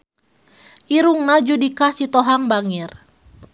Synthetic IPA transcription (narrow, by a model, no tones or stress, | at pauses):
ʔiɾuŋnad͡ʒudikasit̪ɔɦaŋbaŋir